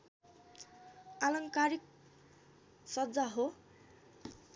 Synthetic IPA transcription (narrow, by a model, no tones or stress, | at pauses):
alʌŋkaɾik̚ | sʌd͡zaɦo